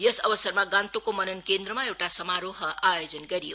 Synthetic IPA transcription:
jʌsʌbʌsʌrmaɡãnt̪okomʌnʌnkend̪rʌmaewʈasʌmaɾoɦʌʔajod͡zʌnɡʌɾijo̰

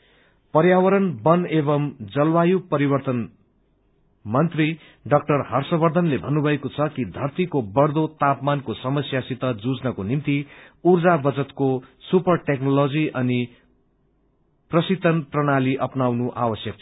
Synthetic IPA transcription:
pʌɾjawʌɾʌnbʌnebʌmd͡zʌlwajupʌɾibʌrt̪ʌn | mʌnt̪ri | ɖʌk̚ʈʌrhʌrsʌbʌrd̪ʱʌnlebʱʌnːubʱʌekot͡sʰʌkid̪ʱʌrt̪ikobʌɽd̪ot̪apmankosʌmʌsjasit̪ʌd͡zud͡znʌkonimt̪iurd͡zabʌd͡zʌt̪kosupʌrʈeknolod͡ziʔʌni | prʌsit̪ʌnprʌnaliʔʌpnawnuʔawʌsjʌk̚t͡sʰʌ

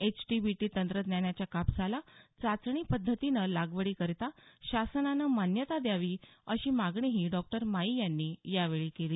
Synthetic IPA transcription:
et͡ɕʈibiʈiːt̪ənt̪ɾət̪njaɳjat͡ɕjakapsalat͡sat͡sɳiːpəd̪ʱːət̪inəlaɡʋəɽiːkəɾt̪aɕasənanəmanjət̪ad̪jaʋiːəɕiːmaɡɳiɦiːɖɔk̚ʈəɾmaijanːiːjaʋeɭiːkeliː

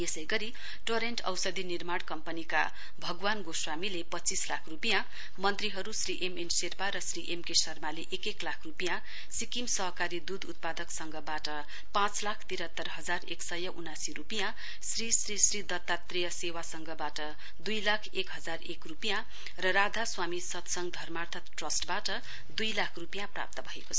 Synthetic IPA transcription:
esʌjɡʌɾi | ʈoɾeɳʈʌ̰wsʌd̪ʱinirmaɽkʌmpʌnika̰ | bʱʌɡwanɡoswamilepʌt͡sislakʰrupijã | mʌnt̪riɦʌɾusriʔemenserpaɾʌsriʔemkesʌrmaleʔekeklakʰrupijã | sikimsʌɦʌkaɾid̪ud̪ut̪̚pad̪ʌksʌŋɡʌbaʈʌ | pãt͡slakʰt̪iɾʌt̪ːʌrɦʌd͡zarḛksʌjʌʔunasiɾupijã | srisrisrid̪ʌt̪ːat̪rejʌsewasʌŋɡʌbaʈʌ | d̪ujlakʰekɦʌd͡zarekrupijã | rʌɾad̪ʱaswamisʌt̪sʌŋɡd̪ʱʌrmart̪ʰʌt̪ʈrʌsʈbaʈʌ | d̪ujlakʰrupijãpra̰p̚t̪ʌbʱʌeko̥t͡sʰʌ

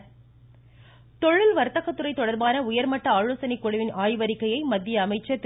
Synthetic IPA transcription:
t̪ɔɻːɪlʋɐɾɯt̪ɐɣɐt̪ːɯrɐɪt̪ːɔɽɐɾbaːnɐʊjɐɾmɐʈːɐaːɻoːsɐnɪkːɔɽɐʋɪnʔaːjʋɐɾɪkːɐjɐɪmɐd̪ːɪjɐːmɐɪt͡ʃːɐt̪ː

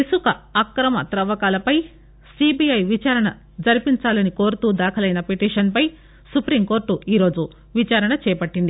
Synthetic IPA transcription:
isukɐɐkɾɐmɐ̰t̪ɾɐʋɐkaːlɐpɐj | sibijɐjʋit͡ʃaːɾɐɳɐ | d͡ʒɐɾipiɲt͡ʃaːlɐnikoːɾut̪uːd̪aːkʰɐlɐjnɐpeʈiːʂɐnpɐj | supɾimko̞ːɾʈuiːɾo̞ːd͡ʒu | ʋit͡ʃaːɾɐɳɐt͡ʃɛːjɐpɐʈːind̪i

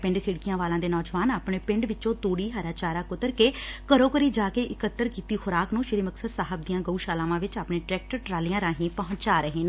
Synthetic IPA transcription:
pɪ̃ɳɖkʰɪɽkɪjãːʋaːlãːd̪eːnɔːd͡ʒʋaːnaːpɳeːpɪ̃ɳɖʋɪt͡ʃt͡ʃõːt̪uːɽiːɦəɾaːt͡ʃaːɾaːkʊt̪əɾkeːkəɾõːkəɾiːd͡ʒaːkeːʔɪkət̪ːəɾkiːt̪iːxʊɾaːknũːʃɪɾiːməksəɾsaːɦəb̚d̪ijãːɡəuːʃaːlãːʋãːʋɪt͡ʃaːpɳeːʈɾɛːk̚ʈəɾʈɾaːlɪjãːɾãːɦĩːpəɦʊ̃nt͡ʃaːɾəɦeːn

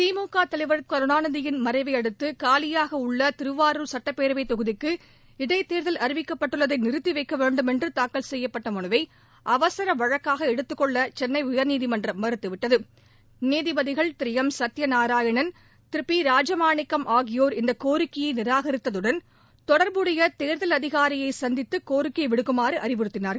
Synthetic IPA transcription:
t̪iːmoːkːaːt̪ɐlɐɪʋɐɾɐt̪̚kɐɾɯnaːnɐðɪjɪnmɐɾɐɪʋɐɪɐɽɯt̪ːɯkaːlɪjaːɣɐʊɭːɐt̪ɪɾɯʋaːɾɯɾsɐʈːɐpːeːɾɯʋɐɪt̪ːɔɣɯðɪkːɯ | ɪɽɐɪt̪ːeːɾðɐlʔɐɾɪʋɪkːɐpːɐʈːɯɭːɐðɐɪnɪɾɯt̪ːɪʋɐɪkːɐʋeːɳɖɯmɛndrɯt̪aːkːɐlsɛjːɐpːɐʈːɐmɔɳɯʋɐɪ | ʔɐʋɐsɐɾɐʋɐɻɐkːaːɣɐɛɽɯt̪ːɯkːɔɭːɐt͡ʃɛnːɐɪʊjɐɾniːðimɐndrɐmːɐɾɯt̪ːɯʋɪʈːɐðɯ | niːðɪbɐðɪɣɐɭt̪ɾɪjɐmsɐt̪ːjɐnaːɾaːjɐɳɐn | t̪ɪɾɯpːiɾaːd͡ʒɐmaːɳɪkːɐmʔaːɣɪjoːɾɪnd̪ɐkoːɾɪkːɪjɐɪnɪɾaːɣɐɾɪt̪ːɐðɯɽɐn | t̪ɔɽɐɾbɯɽɐjɐt̪eːɾðɐlɐðɪɣaːɾɪjɐɪsɐnd̪ɪt̪ːɯkoːɾɪkːjɐɪʋɪɽɯkːɯmaːɾɯʔɐɾɪpɯɾɯt̪ːɪnaːɾ

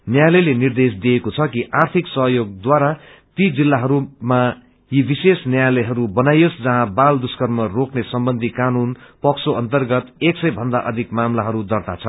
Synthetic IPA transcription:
njajlʌjlenird̪es̬d̪iekot͡sʰʌkiʔart̪ʰiksʌɦjoɡ̚d̪waɾa | t̪id͡zilːaɦʌɾuma | jibisesnjajlʌjɦʌɾubʌnajosd͡zʌɦãbald̪uskʌrmʌroknesʌmbʌnd̪ʱikanunpʌksoʔʌnt̪ʌrɡʌt̪eksʌjbʱʌnd̪aʔʌd̪ʱikmamlaɦʌɾud̪ʌrt̪at͡sʰʌ

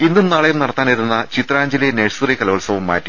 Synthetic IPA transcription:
inːumnaːɭejumnɐɽɐt̪ːaːnɐɾunːɐt͡ɕit̪raːɲd͡ʑilijneɻsurikɐlɐʋɐɭsɐʋumːa̰ːtːi

